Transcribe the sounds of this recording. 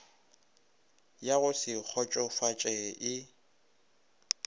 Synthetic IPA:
jaɣʊsɪk͡xʰɔt͡ʃʼɔfat͡ʃʼɛʔɪ

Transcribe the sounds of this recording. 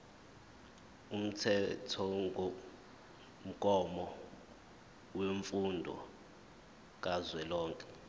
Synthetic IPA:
um̩tʰɛtʰɔŋʱo | m̩kʼɔmɔ | weɱfundʱɔ̰ | k̬ʼazwɛlɔːŋkʼɛ

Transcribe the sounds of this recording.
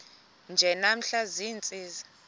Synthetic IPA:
nd͡ʒʱɛnam̩ɬaziːnt͡sʼiːzi̥

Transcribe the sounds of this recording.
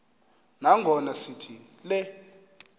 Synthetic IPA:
naŋʱɔnasitʰi | lɛ

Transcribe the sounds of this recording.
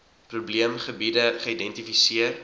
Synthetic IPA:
pɾubliəmχəbidəχəidɛntifisiər

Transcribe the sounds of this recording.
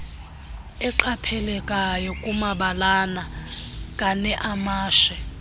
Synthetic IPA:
ɛǃapʰɛlɛkʼajɔkʼumaɓalanakʼanɛʔamaːʃɛ

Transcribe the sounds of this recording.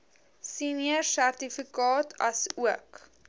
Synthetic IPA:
siniərsærtifikɑːtʰɐsuək

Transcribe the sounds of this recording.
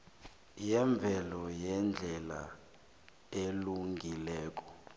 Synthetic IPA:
jɛɱb̪vʱɛlɔjɛnd͡ɮʱɛla̰ | eluŋɡʱilɛːk̬ʼɔ̥

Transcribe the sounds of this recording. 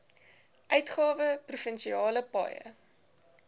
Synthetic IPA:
ʔœɥtχɑːvəprufənsiɑːləpɑ̰jə̰

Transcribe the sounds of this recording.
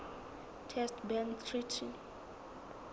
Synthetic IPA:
tʰɛstbɛnt̪ʰritʰi

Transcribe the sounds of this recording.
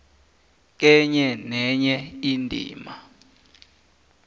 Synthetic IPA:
k̬ɛɲɛnɛɲɛindʱḭːma

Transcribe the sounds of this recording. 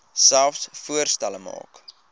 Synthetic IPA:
sælˠfsfuərstæləmɑ̰ːk

